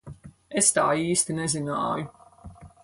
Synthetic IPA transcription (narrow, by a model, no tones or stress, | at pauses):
est̪aːiːst̪inɛzina̰ːju